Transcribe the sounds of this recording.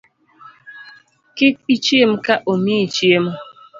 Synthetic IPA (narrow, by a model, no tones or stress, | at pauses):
kɪk̚it͡ʃiem̩kaʔomit͡ʃiem